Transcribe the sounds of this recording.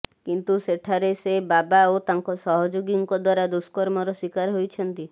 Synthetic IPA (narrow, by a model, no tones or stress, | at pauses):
kint̪useʈʰaɾesebabaot̪aŋkɔsɔɦɔd͡ʒoɡiŋkɔd̪waɾad̪uskɔɾmɔɾɔswikaɾɦojt͡ʃʰɔnt̪i